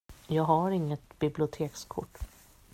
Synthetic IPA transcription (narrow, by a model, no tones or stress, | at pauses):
jɑːɡɦaɾɪŋːət̪b̥ɪblɪʊt̪ʰeːkskʰʊ̰ʈː